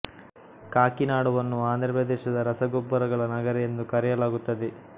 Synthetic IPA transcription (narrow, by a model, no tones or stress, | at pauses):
kaːkinaːɽɐʋɐnːuaːnd̪ɾɐpɾɐd̪ɛːʃɐd̪ɐɾɐsɐɡobːɐɾɐɡɐɭɐnɐɡɐɾɛjend̪ukɐɾɛjɐlaːɡut̪ːɐd̪e